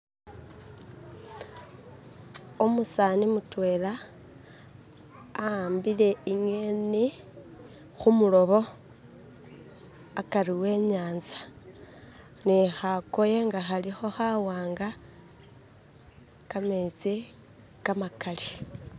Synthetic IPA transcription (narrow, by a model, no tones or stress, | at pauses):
omusanimutwe̞ːla | mbile̞iŋweni | xumulo̞βo̞ | akaɾiwe̞ːɲaːnzḁ | nixakojeŋɡaxalixo̞xawaːŋɡa | kamet͡si | kamakali